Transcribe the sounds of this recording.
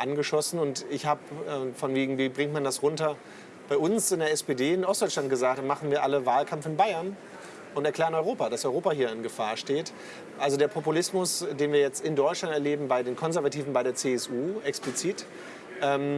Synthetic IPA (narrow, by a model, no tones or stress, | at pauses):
ʔanɡəʃɔsn̩ʊntɪçhaːbəɛːfɔnveːɡŋ̩viːbʁɪŋtmandasʁʊntɐ | b̥aɪʔʊnsɪndeɐɛspedeːɪnʔɔstd̥ɔʏt͡ʃlant̚ɡ̥əzaːk̚td̥amaχn̩viːɐʔaləvaːlkʰamfɪnbaɪɐn | ʔʊntɛɐkl̥ɛːʁənɔʏʁoːpadasʔɔʏʁoːpahɦiːɐɪnɡəfaːɐʃteːt | ʔalzodeːɐpʰopulɪsmʊsd̥eːnviːɐjɛt͡stɪndɔʏt͡ʃlantɛɐleːbm̩baɪdeːnkʰɔnzɛɐvatʰiːvn̩baɪɾeːɐt͡seːɛsʔuːʔɛksplit͡siːt | ʔɛːm